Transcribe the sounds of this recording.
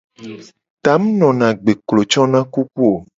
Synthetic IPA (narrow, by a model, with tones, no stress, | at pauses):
t̪a˨˦m˦nɔ̃˨nã˨ɡ͡be˨klo˨t͡ʃɔ˦nã˦ku˦ku˦o˨